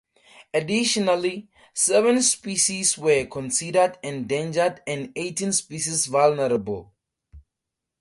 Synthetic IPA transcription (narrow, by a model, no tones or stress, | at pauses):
adiʃɔnali | sɛvə̃nspiʃiswəkʰɔ̃nsidədɛ̃ndẽnd͡ʒədɛ̃netĩnspiʃisvalnəɾəbəl